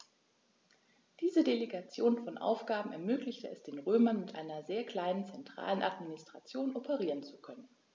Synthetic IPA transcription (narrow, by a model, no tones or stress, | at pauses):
d̥iːzədeleɡat͡sjoːnfɔnʔa̰ʊfɡ̥aːbm̩ɛɐmøːklɪçtəɛsd̥eːnʁøːmɐnmɪtʔa̰ɪnɐzeːɐkl̥aɪnənt͡sɛntʁ̥a̰ːlənʔa̰tminɪstʁ̥at͡sjoːnʔɔpʰəʁiːʁənt͡su̥kʰœnən